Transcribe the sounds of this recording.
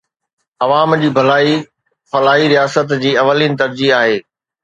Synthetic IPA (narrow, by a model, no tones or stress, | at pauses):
ɐʋaːmd͡ʑiːbʱɐlaːi | fɐlaːɦiɾijaːsət̪d͡ʑiːɐʋəliːnɪ̆t̪ɐɾd͡ʑiɦaːɦeː